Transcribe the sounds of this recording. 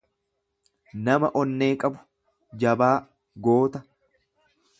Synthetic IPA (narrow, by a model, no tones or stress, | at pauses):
nɐmɐʔɔnːe̞ːkʼɐbʊ̥ | d͡ʒɐbaː | ɡo̞ːt̪ɐ